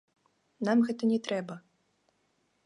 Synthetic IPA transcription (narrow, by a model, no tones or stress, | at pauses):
namɣɛt̪ɐnʲɛt̪ɾɛbɐ